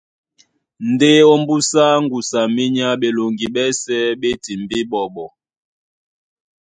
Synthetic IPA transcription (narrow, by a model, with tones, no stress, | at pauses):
n̩˨de˦ɔ˦m˦bu˦sa˦ŋ̩˦ɡu˨sa˨mi˦ɲa˦ɓe˨lo˨ŋɡi˨ɓɛ˦sɛ˦ɓe˦ti˨mbi˦ɓɔ˨ɓɔ˨